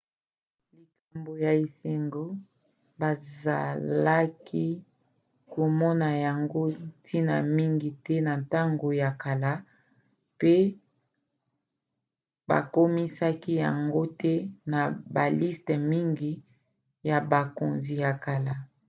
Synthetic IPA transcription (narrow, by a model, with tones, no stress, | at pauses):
li˨ka˨mbo˨ja˨i˨se˨ŋɡo˦ | ba˨za̰˨la˦kʰi˦ | ko˨mɔ˦na˨ja˨ŋɡo˦tʰi˦na̰˨mi˦ŋɡi˨tɛ˦na˨nta˦ŋɡo˨ja˨ka˨la˦ | pe˦ | ba̰˨ko˦mi˦sa˦ki˦ja˨ŋɡo˦tɛ˦na˨ba˨li˦stɛ˨mi˦ŋɡi˨ | ja˨ba˨ko˨nzi˨ja˨ka˨la˦